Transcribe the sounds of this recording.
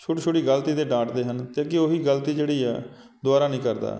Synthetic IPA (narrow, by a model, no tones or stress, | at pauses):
t͡ʃʰoːʈːt͡ʃʰoːʈiːɡəlt̪iːd̪eːɖãːʈd̪eːɦənt̪ẽːkɪoːɦiːɡəlt̪iːd͡ʒeːɽiːɛː | d̪ʊaːɾaːnĩːkəɾd̪a̰ː